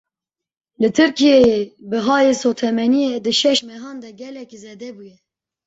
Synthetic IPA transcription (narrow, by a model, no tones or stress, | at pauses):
lɨt̪ʰɨɾkijɛjebɨɦɑːjesot̪ʰɛmɛnijed̪ɨʃɛʃmɛɦɑːnd̪ɛɡɛlɛkizeːd̪ɛbujɛ